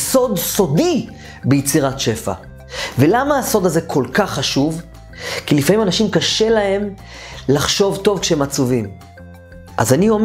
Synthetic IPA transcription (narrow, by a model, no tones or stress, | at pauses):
so̞d̪so̞d̪i | bejet͡siʁatʃe̞fa̰ | ve̞lamaːso̞d̪aze̞kʰo̞lkaχːaʃuv | kilifamimanaʃimkaʃe̞lahe̞m | laχʃo̞vto̞vkʃehemat͡suvim | ʔa̰zaniom